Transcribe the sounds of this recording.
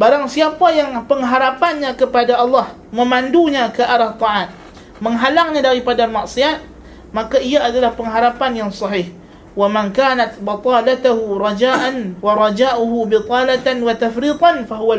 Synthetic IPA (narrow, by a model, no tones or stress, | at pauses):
baɾaŋsiapajaŋpəŋɦaɾapanɲãkəpadaʔɑlːɑh | məmanduɲakəʔaɾat̪ˤɑʕat̪̚ | məŋɦalaŋɲadaɾipadamaʔsiat̪̚ | makaiaːdalahpəŋɦaɾapanjaŋsɑɦɪh | wamaŋkanat̪̚bɑt̪ˤɑlat̪aɦuɾɑd͡ʒaʔanwaɾˤɑd͡ʒaːʔuɦubit̪ˤɑlat̪anwat̪afɾiːt̪ˤɑnfaɦuwa